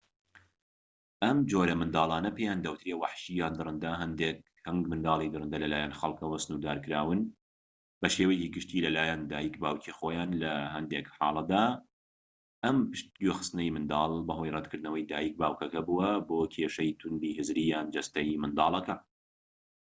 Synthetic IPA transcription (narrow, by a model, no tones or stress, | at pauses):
ʔɐmd͡ʒoːɾɐmɨnd̪ɑːlˠɑːnɐpejaːnd̪ɐwt̪ʰɨɾewaħʃijaːnd̪ɨɾɨnd̪ɐɦɐnd̪ek̚ | hɐŋɡmɨnd̪ɑːlˠijd̪ɨɾɨnd̪ɐlɐlaːjɐnxɐlˠkɐwɐsɨnuɾd̪aːɾkɨɾaːwɨn | bɐʃeːwejeciɡɨʃt̪ilɐlaːjand̪aːjikbaːwkʰixojaːnlɐhɐnd̪ekħɑ̰ːlˠɐt̪d̪aː | ʔɐmpɨʃt̪ɡoxɨ̥st̪ɨnɐjmɨnd̪ɑːlˠbɐɦojrɛd̪̚kʰɨɾd̪nɐwɐjd̪aːjik̚baːwkɐkɐbuwɐboːkʰeːʃɐjt̪ʰʊnd̪iːhɪzɾijaːnd͡ʒɐst̪ɐjmɨnd̪ɑːlˠɐkɐ